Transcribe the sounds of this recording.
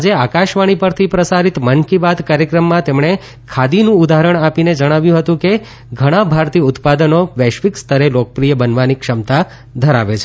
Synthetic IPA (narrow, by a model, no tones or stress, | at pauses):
ad͡ʒeakaʃʋaɽ̃ipəɾt̪ʰipɾəsaɾit̪mənkibad̪kaɾjəkɾəmːãt̪emɳe | kʰad̪inũud̪aɦɾəɳ̃apined͡ʒəɽ̃aʋjũɦət̪ũke | ɡʱəɽ̃ãbʱaɾt̪iʊt̪pad̪ənoʋɛʃʋikst̪ʰəɾelok̚əpɾijəbənʋanikʃəmt̪a | d̪ʱəɾa̰ʋet͡ʃʰe